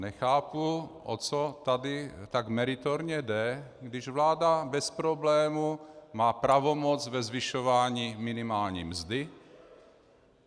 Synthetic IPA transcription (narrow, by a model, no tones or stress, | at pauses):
nɛxaːpuʔo̰t͡sot̪adɪt̪aɡmɛɾɪt̪oɾɲɛdɛɡdɪʒvlaːdabɛspɾoblɛːmumaːpɾavomod͡zvɛzvɪʃovaːɲiːmɪnɪmaːlɲḭːmzd̪ɪ